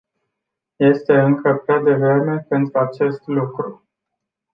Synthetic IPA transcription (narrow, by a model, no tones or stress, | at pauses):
je̞st̪e̞ɨŋkəpɾad̪e̞vɾe̞me̞pe̞nt̪ɾuat͡ʃe̞st̪lukɾu